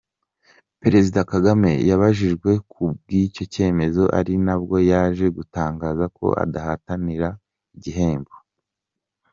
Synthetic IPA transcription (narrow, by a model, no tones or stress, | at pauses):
pe̞ɾe̞zidakaɡame̞jaβaʒiʒɡwe̞kʰubɡico̞ce̞ːme̞zo̞ʔa̰ɾinabɡo̞jaːʒe̞ɡutaːŋɡaːzako̞̰ʔa̰dahataniɾa | iɟiɦe̞ːmbo